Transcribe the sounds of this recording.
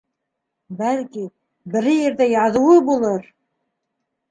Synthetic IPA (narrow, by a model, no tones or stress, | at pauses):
bælki | bɘ̆ɾɘjĕɾd̪æjɑðŭwɤbulˠɤɾ